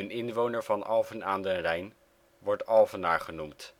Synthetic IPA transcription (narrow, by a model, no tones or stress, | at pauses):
ənɪnʋownəɹvɑnɑ̰lˠvənaːndənrɛjn | ʋɔɹtɑlˠvənaːɹχənumt